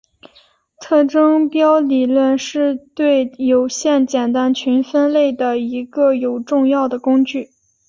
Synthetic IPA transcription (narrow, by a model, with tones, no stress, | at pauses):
t̪ʰɤ˥˩ʈ͡ʂɤ˥ŋpjɑ˥ʊli˨˩lwə˥˧nʂɻ̩˥˧t̪we˥˩ɪjo˨˩ʊɕjɛ˥˩nt͡ɕjɛ˨˩nt̪a˥nt͡ɕʰy˧˥nfə˥nle˥˩ɪd̪ə˩i˧˥ɡə˧jo˨˩ʊʈ͡ʂʊ˥˧ŋjɑ˥˩ʊd̪ə˩kʊ˥ŋt͡ɕy˥˩